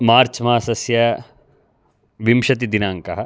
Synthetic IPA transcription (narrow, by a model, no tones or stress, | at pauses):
maːɾt͡ʃmaːsɐsjɐ | ʋimʃɐt̪̬id̪inaːŋkɐɦɐ